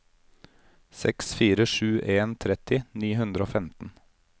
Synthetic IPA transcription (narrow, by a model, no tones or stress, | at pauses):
sɛ̰ksfiːɾəʃʉːʔeːnt̪ʰɾɛt̪ɪniːɦʉnd̪ɾəoːfɛmt̪n̩